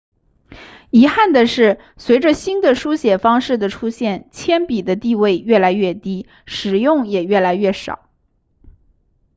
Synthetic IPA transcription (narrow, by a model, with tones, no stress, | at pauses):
i˧˥xa˥˩nd̪ə˩ʂɻ̩˥˩ | swe˧˥ɪʈ͡ʂə˧ɕi˥nd̪ə˨ʂu˥ɕjɛ˨˩fɑ˥ŋʂɻ̩˥˩d̪ə˩ʈ͡ʂʰu˥ɕjɛ˥˩nt͡ɕʰjɛ˥npi˨˩d̪ə˦t̪i˥˧we˥˧ɪɥɛ˥˩la˧˥ɪɥɛ˥˩t̪i˥ | ʂɻ̩˨˩jʊ˥˩ŋjɛ˨˩ɥɛ˥˩la˧˥ɪɥɛ˥˩ʂɑ̰˨˩˦ʊ